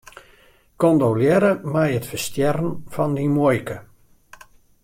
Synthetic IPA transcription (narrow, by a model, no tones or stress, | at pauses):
kɔndowljɛɾəmajətfərstjɛrn̩fɔndimojkə